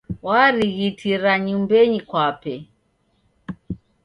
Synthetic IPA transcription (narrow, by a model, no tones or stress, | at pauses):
waɾiɣitʰiɾaɲumbɛɲikwapɛ